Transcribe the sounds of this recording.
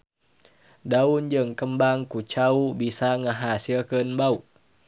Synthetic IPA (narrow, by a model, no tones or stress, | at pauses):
daund͡ʒəŋkəmbaŋkut͡ʃaubisaŋəɦasilkənbauʔ